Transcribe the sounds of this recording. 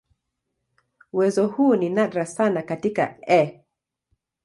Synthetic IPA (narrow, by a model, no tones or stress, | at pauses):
uwɛzɔhuːninadɾasanakatika̰ɛ